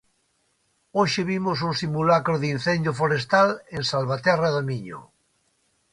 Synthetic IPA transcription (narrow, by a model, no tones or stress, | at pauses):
oʃeβimos̬uŋsimulakɾoðin̟θend̪jofoɾest̪alẽnsalβat̪ɛraðomiɲo̰